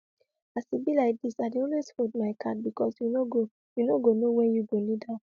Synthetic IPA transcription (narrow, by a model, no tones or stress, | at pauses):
asibilaɪk̚disadeɔnweshotmaɪkʰat̚bikɔsjunoɡo | junoɡonowɛ̃njuɡonida